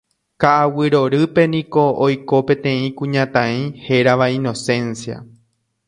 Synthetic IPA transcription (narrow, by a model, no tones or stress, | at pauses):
kaʔawɨɾo̞ɾɨpe̞nĩko̞ojko̞pẽ̞t̪ẽ̞ĩkũɲãt̪ãĩhe̞ɾaʋaĩno̞sẽ̞nsia̰